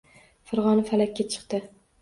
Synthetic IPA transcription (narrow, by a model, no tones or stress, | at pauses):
faɾʁɒnafalakʲːat͡ʃʰɨ̥qt̪ɪ